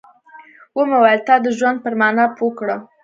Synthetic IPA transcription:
wəmawalt̪ɑd̪əʒwand̪̚pəɾmɑnɑpokɽə

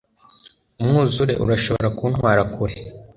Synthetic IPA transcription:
umŋuːzuɾe̞̰ʔṵɾaʃo̞βoɾakuːnwaːɾakʰuɾe

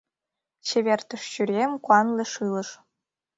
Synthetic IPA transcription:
t͡ɕeβʲert̪ə̆ʃɕyɾʲemkuɑnlʲeʃɯlə̆ʃ

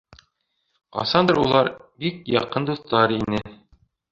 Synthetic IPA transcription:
qɑ̰sɑnd̪ɤɾulˠɑɾbik̚jɑqɤnd̪uθt̪ɑɾinɘ

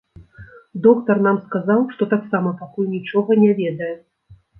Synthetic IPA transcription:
d̪ɔkt̪ɐrnamskazawʂt̪ɔt̪aksamɐpakujnʲit͡ʂɔɣɐnʲɛvʲɛd̪ɐjɛ

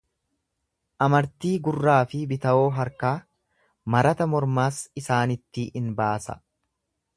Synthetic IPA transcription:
ʔɐmɐɾt̪iːɡʊrːaːfɪbɪt̪ɐʔo̞ːɦɐɾkaː | mɐɾɐt̪ɐmɔɾmaːsɪsaːnɪt̪ːɪʔɪnbaːsɐ̰

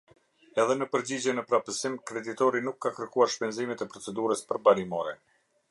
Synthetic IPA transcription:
ɛðɛnəpəɾd͡ʑid͡ʑɛnəpɾapəsimkɾɛd̪it̪ɔɾinukːakəɾkuaɾʃpɛnzimɛt̪ɛpɾɔt͡sɛd̪uɾəspəɾbalimɔɾɛ

